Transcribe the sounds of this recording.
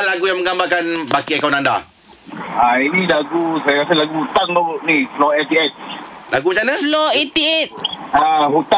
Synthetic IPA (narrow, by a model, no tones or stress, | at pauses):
laɡujaŋməŋɡambakanbakiakawnanda | ainilaɡusajakaselaɡuhut̪aŋlɔʔnislɔɛt̪iɛt̪̚laɡumat͡ʃanəlɔet̪iɛt̪̚aɦut̪a